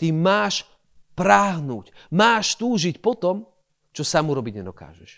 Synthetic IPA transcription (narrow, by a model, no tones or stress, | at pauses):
t̪imaːʃ | pɾaːɦnṵːcmaːʃt̪uːʒicpɔt̪ɔm | t͡ʃɔsamuɾɔbiɟɲɛd̪ɔka̰ːʒɛʃ